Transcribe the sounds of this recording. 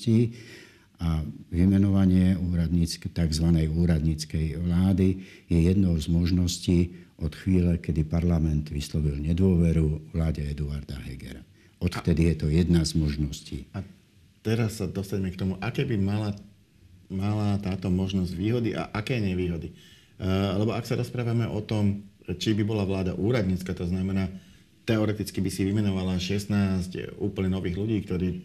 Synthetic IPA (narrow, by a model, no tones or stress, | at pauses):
ciː | aʋimɛnɔʋaɲɪɛuːɾad̪ɲiːt͡skɛt̪aɡzʋanɛjuːɾad̪ɲiːt͡skɛjʋlaːd̪ijɛjɛd̪nɔʊzmɔʒnɔsciːʔɔt̪xʋiːlɛkɛd̪ipaɾlamɛnt̪ʋislɔʋilɲɛd̪ʊɔʋɛɾuʋlaːɟɛɛd̪uaɾd̪aɦɛɡɛ̰ɾa | ɔt̪ft̪ɛd̪ijɛt̪ɔjɛd̪nazmɔʒnɔscḭːa | t̪ɛɾasːad̪ɔst̪aɟɛmɛkt̪ɔmuʔakɛːbimala | malat̪aːt̪ɔmɔʒnɔzɟʋiːɦɔd̪iʔa̰ʔakɛːɲɛʋiːɦɔd̪i | lɛbɔaksaɾɔspɾaːʋamɛʔɔt̪ɔmt͡ʃibibɔlaʋlaːd̪a̰ʔuːɾad̪ɲiːt͡skaːt̪ɔznamɛnaː | t̪ɛɔɾɛt̪it͡skibisiʋimɛnɔʋalaʃɛsnaːscuːpl̩ɲɛnɔʋiːɣluɟiːkt̪ɔɾiː